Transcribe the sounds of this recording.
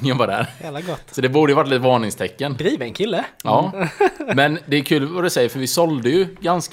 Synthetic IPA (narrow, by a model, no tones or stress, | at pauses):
ənvɑd̪æ̰ɾlaɡɔt̪ːsɔd̪ɛbuːɖ̪əjəvaʈːliːt̪əvɑːɳɪŋst̪ʰɛkːənd̪ɾiːvɛnkʰɪlːəɑː | mɛnd̪ɛːɾkʰʉːlvad̪ɵsɛjːəɾfœɾvɪsɔld̪əjɵɡansk